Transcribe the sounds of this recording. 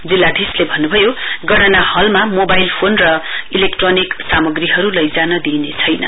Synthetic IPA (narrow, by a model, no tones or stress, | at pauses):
d͡zilːad̪ʱislebʱʌnːubʱʌjoɡʌɾʌnahʌlmamobajlpʰonrʌilekʈroniksamʌɡriɦʌɾulʌjd͡zanʌd̪inet͡sʰʌjnʌ̰